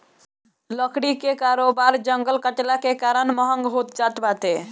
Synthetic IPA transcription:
ləkɽikekaɾobaɾd͡ʒəŋɡəlkəʈlakekaɾənməɦəŋɡɦot̪̚d͡ʒat̪bat̪e

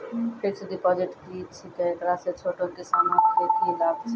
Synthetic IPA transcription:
pʰeɾsʰud̪ipɔd͡ʒeʈkit͡ʃʰit̪ɔekɾaset͡ʃʰoʈõkesamanket̪ʰilaɡt͡ʃʰ

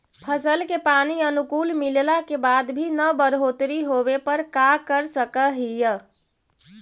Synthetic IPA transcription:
pʰəsəlkepaniənukulmillakebad̪bʱinəbəɾɦot̪ɾiɦobepəɾkakəɾsəkəɦijə

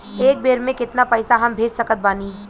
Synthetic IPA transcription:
eːk̚beːɾmẽkɪt̪napɛːsaɦɐmbʱeːd͡ʒsɐkət̪̚baːniː

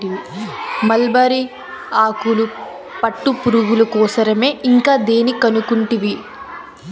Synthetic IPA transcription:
ʈiʋimɐlbaːɾi | aːkulu | pɐʈːupuɾuɡulɐkɔːsɐɾɐme̞ːʔiŋkaːd̪e̞ːnikɐnukuɳʈiʋi

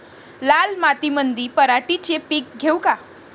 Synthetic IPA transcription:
lalmat̪imənd̪ipəɾaʈit͡ɕepik̚ɡʱewka

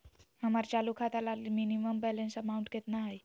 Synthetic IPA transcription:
həmaɾt͡ɕalukʰat̪alalminiməmbɛlensəmauɳʈ̚ɡʱet̪naɦaj

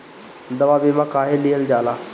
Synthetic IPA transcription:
d̪əʋaːbeːmãːkaːɦelijəld͡ʒaːlaː

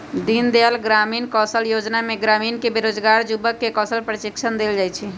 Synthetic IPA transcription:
d̪ind̪eəlɡɾamiːnkɔsəljod͡ʒnamẽɡɾamiːnkebeɾod͡ʒɡaɾd͡ʒubəkːekɔːsəlpɾətikʃʰənd̪eld͡ʒajt͡ʃʰɛ

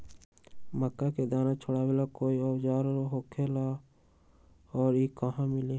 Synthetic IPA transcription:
məkːaked̪aːnat͡ʃʰoɽabelakoːiɔwd͡ʒaːɾɾoɦoːkʰelaː | ɔːɾiːkəɦãmɪle

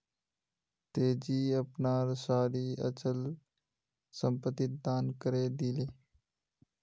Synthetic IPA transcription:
t̪eːd͡ʒiːəpnaːɾsaːɾiːə̰t͡ʃəl | səmpət̪ɪt̪̚d̪aːnkəɾeːd̪iːleː

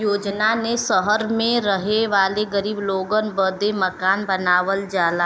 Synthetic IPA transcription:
joːd͡ʒnanesəɦəɾmẽɾəɦeʋaːleɡəɾiːbloːɡənbəd̪eməkaːnbɐnaːʋəld͡ʒaːla

